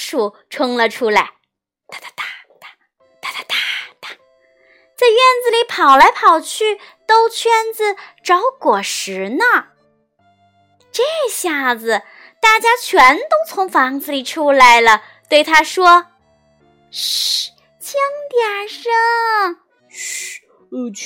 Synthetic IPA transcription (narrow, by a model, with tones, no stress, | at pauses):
ʂu˥˩ʈ͡ʂʰɤ˥ŋlə˨ʈ͡ʂʰu˥la˧˥ɪ | t̪a˥˧˩t̪t̪a˥˩ | t̪a˩ | t̪a˥˩t̪a˧t̪a˥˩t̪ḁ˧˩ | t͡sa˥˧ɪɥɛ˥˩nd͡zɹ̩˧li˧˥pʰɑ˨˩ʊla˧˥ɪpʰɑ˨˩ʊt͡ɕʰy˥˩t̪o˥ʊt͡ɕʰɥɛ˥nd͡zɹ̩˧ʈ͡ʂɑ˧˥ʊkwɔ˨˩ʂɻ̩˧˥nə˧ | ʈ͡ʂe˥˩˧ɕja˥˩d͡zɹ̩˩ | t̪a˥˩t͡ɕja˥t͡ɕʰɥɛ˧˥nt̪o˥ʊt͡sʰʊ˧˥ŋfɑ˧˥ŋd͡z̩˧li˨˩ʈ͡ʂʰu˥la˧˥ɪlə˧ | t̪we˥˩ɪt̪ʰa˥ʂwɔ˥ | t͡ɕʰi˥ŋt̪jɛ˨˩nʂə˥˩˧